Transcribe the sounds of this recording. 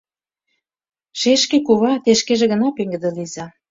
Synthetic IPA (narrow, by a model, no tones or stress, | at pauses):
ʃeʃkĕkuβɑt̪eʃkeʒĕɣə̆nɑpeŋɡə̆d̪ĕlizɑ